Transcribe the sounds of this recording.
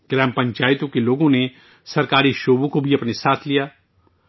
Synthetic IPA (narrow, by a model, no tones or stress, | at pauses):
ɡ̥ɾɛːmpɐ̃ɲt͡ʃaːɪt̪õkeloːɡõne | sɐɾkaːɾiʃoːbõkobʱiɐpnesaːt̪ʰlijaː